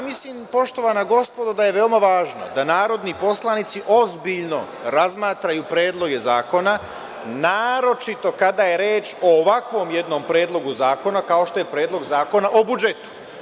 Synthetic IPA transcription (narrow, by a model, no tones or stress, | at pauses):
mislimpo̞ʃt̪o̞ʋanaɡo̞spo̞d̪od̪ajeʋe̞omaʋaːʒno̰d̪anaːɾo̞d̪nipo̞slˠanit̪siʔo̞zbiʎno̞̰ | ɾazmaːt̪ɾajupɾeːd̪lˠo̞ɡe̞zaːko̞na | naːɾo̞t͡ʃit̪o̞kad̪ajeɾeːt͡ʃoːʋakʋo̞ːmje̞d̪no̞ːmpɾe̞ːd̪lˠo̞ɡuzaːko̞nakao̞ʃt̪o̞je̞pɾeːd̪lˠo̞ɡzaːko̞naʔobud͡ʒe̞t̪u̥